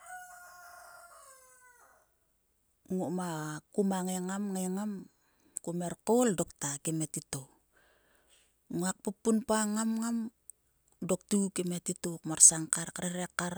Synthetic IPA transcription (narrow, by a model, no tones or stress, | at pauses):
ŋomakumaŋeŋamŋeŋam | kume̞ɾkoldoktakimetito | ŋoak̚pupːunpaŋamŋam | dok̚tukimetitokmaɾsaŋkaɾkaɾeɾekːaɾ